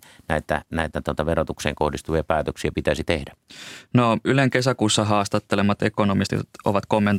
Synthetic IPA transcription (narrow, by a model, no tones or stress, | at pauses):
næˑet̪æ̰næˑit̪æt̪uot̪ɑʋerot̪uksḛːŋkohdist̪uʋeɑpæːt̪øksiæpit̪æsit̪ehdænoyleŋkesækuːsːɑɦɑːst̪ɑt̪ːelemːˑɑt̪ekonomist̪t̪ʔo̰ʋɑt̪komːent